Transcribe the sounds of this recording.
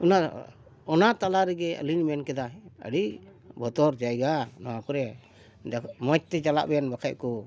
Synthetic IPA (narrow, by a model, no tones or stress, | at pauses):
una | ɔnat̪alaɾɛɡɛə̰linmɛnkɛd̪aə̰ɽi | bʱɔt̪ɔɾd͡ʒajɡanɔwakɔɾɛ | mɔt͡ʃ̚t̪ɛd͡ʒala̰ʔbɛjanbakʰaʔkɔ